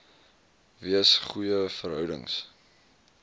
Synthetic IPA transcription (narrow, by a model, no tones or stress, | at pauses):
viəsχujəfərɦœwdə̰ŋs